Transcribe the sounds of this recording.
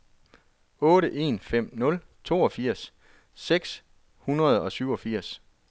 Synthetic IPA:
ɔ̽ːɾəʔe̝ːnfem̰nɔ̽l | t͡sʰo̝̰ːɒ̽fiɐ̰sː | eɡ̥s | hunɐð̞̩ˠɒ̽syʊ̰ɒ̽fiɐ̰s

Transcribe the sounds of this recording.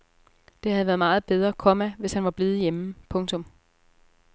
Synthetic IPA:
d̥e̝hæðˠʋæːɐð̞ˠmɑ̈ːð̞̩ˠb̥eð̞ˠʁɐkʰɒmæʋe̝shænʋɑ̈b̥leːð̞̩ˠjeməpʰɔ̽ŋt͡sʰɔ̽m

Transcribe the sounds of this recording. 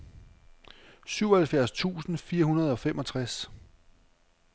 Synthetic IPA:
syʊɒhælfjæɐ̰st͡sʰṵːsn̩fiːɐɦunɐð̞̩ˠɒ̽femʔɒ̽t͡sʰʁas

